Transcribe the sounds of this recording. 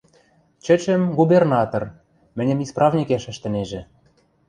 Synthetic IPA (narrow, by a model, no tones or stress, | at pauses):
t͡ɕɘ̆t͡ɕɘ̆mɡubernɑt̪or | mɘ̆nʲɘ̆misprɑvnʲikeʃɘ̆ʃt̪ɘ̆neʒɘ̆